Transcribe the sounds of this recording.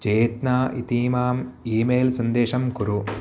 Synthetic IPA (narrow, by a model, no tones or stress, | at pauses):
t͡ʃeːt̪naːʔit̪iːmaːm | iːmeːlsɐnd̪eːʃɐmkuɾu